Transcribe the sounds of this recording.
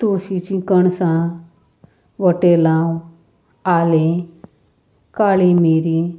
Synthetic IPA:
t̪oɕit͡ɕĩkəɳsã | ʋəʈelãw | ale | kaɭimiɾi

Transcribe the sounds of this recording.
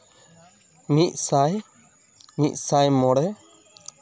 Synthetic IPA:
mic̚ˀsaj | mic̚ˀsajmɔɽɛ

